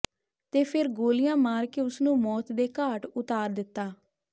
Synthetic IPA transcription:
t̪eːpʰɪɾɡoːlɪjãːmaːɾkeːʊsnũːmɔːt̪d̪eːkaːʈʊt̪aːɾd̪ɪt̪ːaː

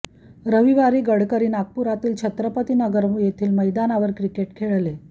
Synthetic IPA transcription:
ɾəʋiʋaɾiːɡəɽkəɾiːnak̚puɾat̪iːlt͡ɕʰət̪ɾəpət̪iːnəɡəɾmjet̪ʰiːlməjd̪anaʋəɾkɾikeʈkʰeɭle

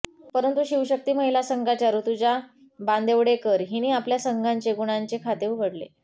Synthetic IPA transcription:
pəɾənt̪uɕiwɕək̚t̪iːm̤əɦilasəŋɡat͡ɕjaɾut̪ud͡ʑa | band̪eʋɽekəɾɦiñiːapljasəŋɡʱaɲt͡ɕeɡuɽ̃aɲt͡ɕekʰat̪euʋʱəɽlḛ

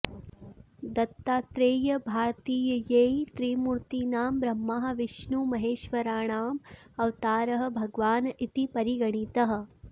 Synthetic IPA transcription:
d̪ɐt̪ːaːt̪ɾeːjɐbʱaːɾt̪iːjɐjeːjt̪ɾiːmuɾt̪iːnaːmbɾɐmːaːɦɐ̆ʋiʃnumɐɦeːʃʋɐɾaːɳaːm | ɐʋt̪aːɾɐɦɐ̆bʱɐɡʋaːnit̪ipɐɾiɡɐɳ̃it̪ɐɦɐ̆

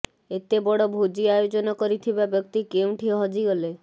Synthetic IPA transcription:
et̪ebɔɽɔbʱod͡ʒiajod͡ʒɔnɔkɔɾit̪ʰibabjɔk̚t̪ikew̃ʈʰiɔɦɔd͡ʒiɡɔle

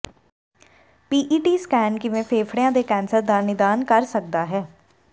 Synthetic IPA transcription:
piːʔiːʈiːskɛːnkɪʋẽːpʰeːpʰɽejãːd̪eːkɛ̃ːnsəɾd̪aːnɪd̪aːnkəɾsək̚d̪aːɦɛː

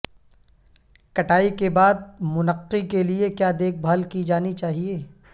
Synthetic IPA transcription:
kɐʈaːikebaːd̪̚mʊnəqːikeliekjaːd̪eːk̚ʰbʱaːlkid͡ʒaːnit͡ʃaːɦieː

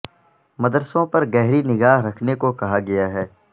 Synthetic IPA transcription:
mɐd̪əɾsõpɐɾɡɛɦɾinɪɡaːɦɾɐkʰnekokɐɦaɡɐjaɦɛː

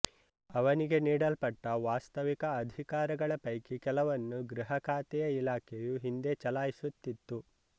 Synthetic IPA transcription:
ɐʋɐniɡe̞niːɽɐlpɐʈːɐʋaːst̪ɐʋikɐːd̪ʱikaːɾɐɡɐɭɐpɐjkikɛlɐʋɐnːuɡɾiɦɐkʰaːt̪ɛjɐilaːkʰejuɦind̪et͡ʃɐlaːjisut̪ːit̪ːu

